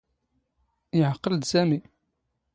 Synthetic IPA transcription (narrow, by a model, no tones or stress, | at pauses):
jəʕəqːələd̪sæmi